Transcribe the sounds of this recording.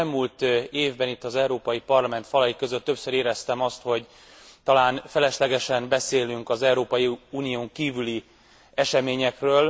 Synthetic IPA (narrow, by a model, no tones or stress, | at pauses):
lmuːlt̪eːvbɛnit̪ːɒzɛuɾoːpɒjipɒrlɒmɛnt̪fɒlɒjikøzøt̪ːø̞psøɾeːɾɛst̪ɛmɒst̪ho̞ɟ | t̪ɒlaːnfɛlɛʃlɛɡɛʃɛnbɛseːlyŋkɒzɛuɾoːpɒjiuːnijoːŋkiːvyli | ɛʃɛmeːɲɛkrøːl